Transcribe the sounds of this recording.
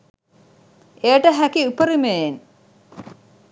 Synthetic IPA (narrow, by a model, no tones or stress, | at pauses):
ejəʈəɦækiupəɾimejen